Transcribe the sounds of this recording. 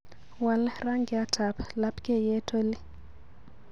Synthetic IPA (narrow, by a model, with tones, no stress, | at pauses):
wa˨lra˦ŋɡi˨a˦tʰa˨pʰla˦pʰʼkʼɛ˦jɛ˦tʰo˦lɪ˦